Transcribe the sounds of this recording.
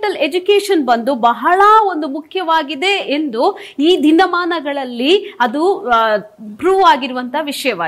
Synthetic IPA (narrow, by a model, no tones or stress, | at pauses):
ʈɐled͡ʒukeːʂɐnbɐnd̪ubɐɦɐɭɐo̞nd̪umukʰjɐʋaːɡid̪e̞end̪u | iːd̪ʱinːɐmaːnɐɡɐɭɐlːiɐd̪u | pɾuːʋaːɡiɾuʋɐnt̪ɐɦɐʋiʂɐjɐʋaː